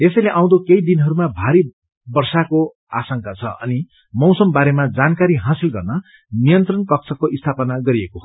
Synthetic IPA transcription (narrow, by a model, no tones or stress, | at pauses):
esʌjleʔãw̃d̪okejd̪inɦʌɾumabʱaɾi | bʌrsako | a̰sʌŋkat͡sʰʌ̰ʌ̰ni | mʌwsʌmbaɾemad͡zankaɾiɦãsilɡʌrnʌ | nijʌnt̪rʌnkʌk̚sʰʌkoʔist̪ʰapʌnaɡʌɾieko